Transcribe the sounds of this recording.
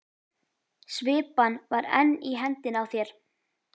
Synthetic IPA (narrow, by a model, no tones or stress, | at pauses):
svɪːpanvaɾɛ̰nːiɦɛnt̪ɪnawθjɛɾ̥